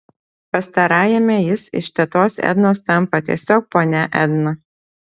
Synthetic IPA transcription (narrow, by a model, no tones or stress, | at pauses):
pɐst̪ɐɾɑːjɛmʲɛjɪsɪ̰ʃt̪ʲɛt̪oːsɛ̰d̪noːst̪ʲɐmˑpɐt̪ʲiɛsʲoːk̚poːnʲɛʔɛ̰d̪nɐ